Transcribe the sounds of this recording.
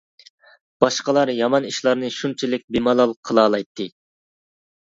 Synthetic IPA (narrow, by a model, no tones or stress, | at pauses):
b̥ɑʃqəlˠɑɾjɑmɑniʃlˠɑɾnɨʃunt͡ʃʰilɪk̚ʲbemɑlˠɑlˠqʰəlˠɑːlˠɑjt̪ʰːɨ